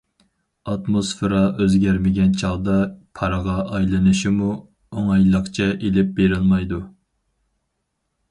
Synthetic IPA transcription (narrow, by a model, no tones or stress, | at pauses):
ɑt̪mosfɨɾɑøzɡʲæɾmɪɡʲɛnt͡ʃʰɑʁˠd̪ɑpʰɑɾəʁɑʔɑjlˠɨnɨʃimu | oŋɑjlˠəχt͡ʃʰɛʔelɪp̚beɾɪlˠmɑjd̪u